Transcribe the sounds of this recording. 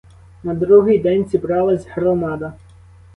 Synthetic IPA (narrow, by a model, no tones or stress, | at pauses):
nɐd̪ɾuɦɪjd̪ɛnʲzʲibɾɑlˠɐzʲɦɾɔmɑd̪ɐ